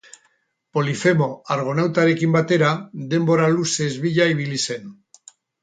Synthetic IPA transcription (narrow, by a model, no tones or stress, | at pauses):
po̞lifemo̞aɾɣ̞onawt̪aɾekimbat̪eɾad̪e̞mbo̞ɾalusezβiʎaiβ̞ilisen